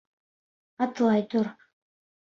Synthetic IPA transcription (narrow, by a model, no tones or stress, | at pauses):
ɑt̪lˠɑjt̪ʊɾ